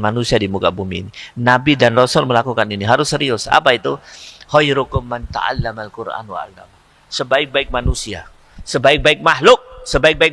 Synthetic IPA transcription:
manusiadimukabumḭːninabidanrɔsɔlməlakukaniniɦaɾʊsəɾiʊsa̰pait̪uhɔjɾukʊmːant̪a̰a̰lːamalkurʔa̰nwa̰a̰lːa̰m | səbaɪk̚baɪk̚manusia̰ | səbaɪk̚baɪk̚mahlʊk̚səbaɪk̚baɪk̚

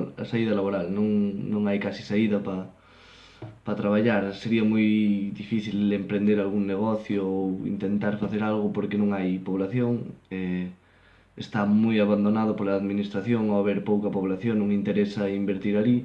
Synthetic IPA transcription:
a̰saið̞ɐlaβoɾalnõŋnõŋajkasi̥saiðɐpa | pat̪ɾaβaʎaɾseɾiamujðifiθilempɾẽnd̪eɾalɣuŋneɣ̞oθjoowḭnt̪ent̪aɾfaθeɾalɣʊpoɾkenõŋajpoβ̞laθjoŋe | est̪amujaβand̪onað̞opolaːðminist̪ɾaθjoŋoaβ̞eɾpowkapoβ̞laθjoŋnõŋĩnt̪eɾesaimbeɾt̪iɾali

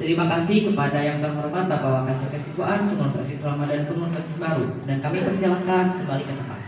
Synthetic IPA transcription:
t̪əɾimakasɪhkəpadajaŋt̪əmərman̚b̪abawakansəkəsibuaʔanpəŋɔnfɾa̰ksisəlamadankəŋɔnfɾaksisbaɾudankamipərsialakankəmbalikət̪əmpa̰t̪̚

